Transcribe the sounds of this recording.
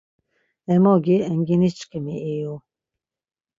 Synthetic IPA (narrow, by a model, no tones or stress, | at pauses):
ɛmɔɡiəŋɡinit͡ʃʼkʼəmiɛju